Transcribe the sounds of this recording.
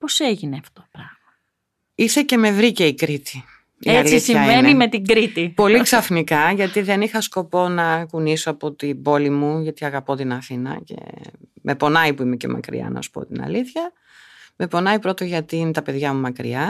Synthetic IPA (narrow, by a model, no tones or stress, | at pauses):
poseʝineɐft̪opɾɐɣmɐ | iθe̞ce̞me̞vɾice̞ikɾit̪i̥ | ieɐlisiɐennimet̪iɡɾit̪ipo̞liksɐfnikɐʝɐt̪iðe̞nixɐsko̞po̞nɐkunisoɐpo̞t̪ibo̞limuʝɐt̪iɐɣɐpo̞t̪inɐθinɐ̰ce̞̰mʔe̞po̞nɐipuimece̞̰mɐ̰kɾḭɐ̰nɐ̰su̥po̞̰t̪inɐ̰liθçɐ | me̞po̞nɐipɾo̞t̪o̞ʝɐt̪iinet̪ɐpe̞ðʝɐmumɐkɾḭɐ